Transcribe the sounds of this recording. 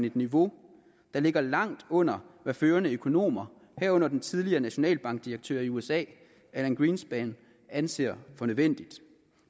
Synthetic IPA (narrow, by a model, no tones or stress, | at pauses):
ne̝d̥niʋo̝ | d̥ɑ̈le̝ɡ̥ɐlɑ̈ŋ̰d̥ɔ̽n̰ɐʋæføːɐnəøkʰo̝no̝̰ːmɐ | hæɐ̰ɔ̽n̰ɐd̥ent͡sʰiðˠliɐːnæɕo̝nɛ̰ːlb̥ɑ̈ŋɡ̥̚d̥iɐɡ̥̚t͡sʰø̰ːɐiuesɛ̰ː | æenɡ̥ʁiːnsb̥ɛːn | ænse̝̰ːɐ̰fɒ̽nøðˠʋen̰d̥id̥